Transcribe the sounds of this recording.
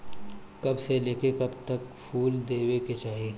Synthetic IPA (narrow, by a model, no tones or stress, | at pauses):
kɐbseleːkekɐbt̪ɐkpʰuːld̪eːweket͡ʃaːɦie